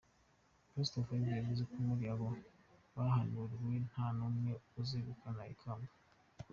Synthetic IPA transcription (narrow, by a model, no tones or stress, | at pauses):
kɾistofabeɡizekumuɾjaβo | wahanuɾiɾwen̥hanumŋeuzeβukanaḭkʰaːmba